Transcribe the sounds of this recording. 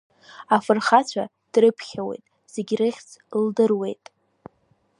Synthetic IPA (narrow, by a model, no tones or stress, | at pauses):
afɨrχat͡ɕʷʰa̰ | d̥rɨpʰχʲawe̞̰jtʼ | z̥e̞ɡʲrɨχʲt͡sʰldɨrwe̞jtʼ